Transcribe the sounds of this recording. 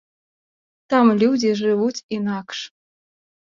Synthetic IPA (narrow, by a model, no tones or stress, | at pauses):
t̪ɑmlʲud͡zʲiʒɨβutʲinɑkʂ